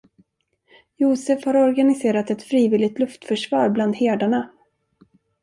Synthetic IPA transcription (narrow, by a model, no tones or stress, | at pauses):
juːsɛfhaɾɔɾɡanɪseːɾat̪ɛt̪fɾiːvɪːlɪɡt̪lɵft̪fœʂvɑ̰ːɾbland̪heːɖ̪aɳa